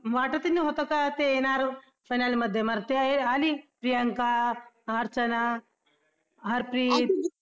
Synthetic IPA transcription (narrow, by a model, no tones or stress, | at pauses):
ʋaʈət̪iniɦot̪okat̪ejenaɾ | fajnaliməd̪ʱːjeməɾt̪ealipɾijaŋka | ɦəɾt͡ʃɐna | ɦəɾpɾiːt̪̚